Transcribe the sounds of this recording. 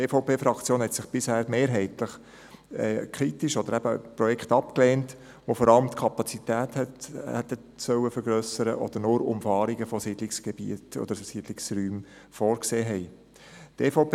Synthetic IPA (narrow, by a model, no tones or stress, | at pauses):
efoʊpeːfɾɑkt͡sjoːnhɛt̪sɪχb̥ɪshɛɾmeːɾɦɛɪtləχ | ɛ̰ːkʰɾitiʃɔd̥̪əɾæbəpɾɔjɛkχt̪ɑpkleːnt | ʋofɔɾɑləmt̪kʰɑpɑt͡sit̪æːthɛthɛt̪ə | sœwəfəɾɡɾœsəɾə̰ʔɔ̰d̥̪əɾnʊɾʊ̰mfɑːɾiɡəfɔsiːdlɪksɡ̥eb̥ḭətɔ̰d̪əɾsiːd̥lɪksryːm | fɔːɾkseːɦɛɪ | tʰefopː